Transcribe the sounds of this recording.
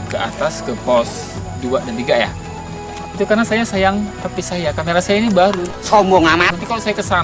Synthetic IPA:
kəʔa̰t̪askəpɔs | duadant̪iɡaja̰ | it̪ukarnasajasajaŋh̪apisajakameɾasaainibaɾusɔmbɔŋamanant̪̬ikalosajakəsan

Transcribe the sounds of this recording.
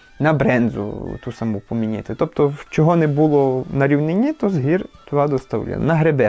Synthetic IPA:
nɐbɾɛnzʊ̰t̪usɐmupɔmʲinʲɪ̰t̪ɪt̪ɔp̚t̪ɔwt͡ʃɔɦɔnɛbulˠɔnɐɾʲiwnenʲit̪ɔzɦirt̪ʋɑd̪ɔst̪ɐwlʲa̰nɐɦɾebɛ

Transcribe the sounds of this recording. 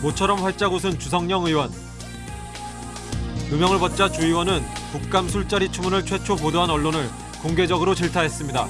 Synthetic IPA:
mot͡ɕʰʌɾʌmɸwaɭt͡ɕ͈aɡosʰɯnt͡ɕusʰʌŋɲʌŋɯiwʌn | umjʌŋɯɭpʌt̚t͡ɕ͈at͡ɕuiwʌnɯnpuk̚k͈amsʰuɭt͡ɕ͈aɾit͡ɕʰumunɯɭt͡ɕʰwe̞t͡ɕʰopodoɦanʌɭːonɯɭ | koŋɡe̞d͡ʑʌɡɯɾot͡ɕiɭtʰaɦe̞s͈ɯmɲida̰

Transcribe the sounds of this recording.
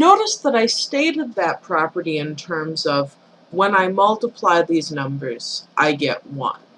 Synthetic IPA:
noʊɾɨsðəɾaɪsteɪɾɨd̪̚ðɨt̚pʰɹ̥ɑpə˞ɾiɨ̃ntʰɜ̃˞mzʌv | wə̃naɪmʌlˠtəpʰl̥aɪðiznʌ̃mbə˞z̥ʔaɪɡɛ̰ʔ̚wʌ̰̃n

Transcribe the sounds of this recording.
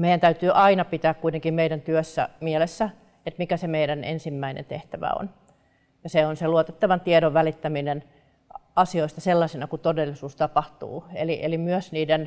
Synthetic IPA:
meijænt̪æyt̪yːʔɑinɑpit̪æːkkuit̪eŋkimmeidænt̪yøsːæ̰miɛlesːæ | et̪mikæsemeidænḛnsimːæinḛnt̪ḛht̪æʋæ̰o̰n | jɑseonseluot̪et̪ːɑʋɑnt̪iedoʋʋælit̪ːæminen | ɑsioist̪ɑselːɑsinɑkut̪odelːisuːst̪ɑpɑht̪ṵːeliʔelimyøsniːden

